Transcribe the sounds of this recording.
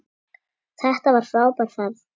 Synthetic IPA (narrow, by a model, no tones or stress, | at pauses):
θɛht̪avaɾ̥fɾaːwpaɾ̥θað